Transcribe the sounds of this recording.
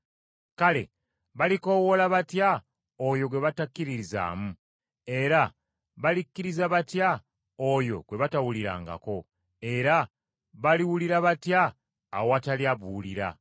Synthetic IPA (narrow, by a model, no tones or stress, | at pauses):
kale̞̰ | βaliko̞wolaβatja | ojo̞ɡwe̞βatakːiɾiɾiza̰ːmu | e̞ɾa | βalikːiɾizaβatja | ojo̞ɡwe̞βatawuliɾa̰ːŋɡa̰ko̞ | e̞ɾa | βaliwuliɾaβatjaː | owataliaβuliɾa̰